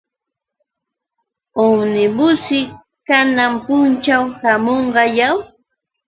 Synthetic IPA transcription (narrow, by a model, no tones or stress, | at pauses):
ʊwnɪmʊsɪ | kanampʊnt͡ʃawhamoɴɢɑjaw